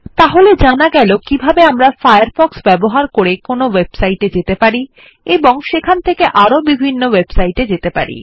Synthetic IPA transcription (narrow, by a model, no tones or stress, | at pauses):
t̪aɦoled͡ʑanaɡɛlokibʱabeamɾafajaɾfɔksbɛboɦaɾkoɾekonowebsajʈed͡ʑet̪epaɾi | eboŋʃekʰant̪ʰekeʔaɾobibʱinːowebsajʈed͡ʑet̪epa̰ɾḭ